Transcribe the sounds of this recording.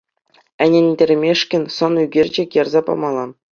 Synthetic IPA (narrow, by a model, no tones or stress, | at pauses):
ɘ̆nʲĕnʲdʲɘ̆rʲmʲeʂkʲɘ̆nʲsŏnyɡʲerʲd͡ʑĕkʲjɑrzɑpɑ̰mɑlˠɑ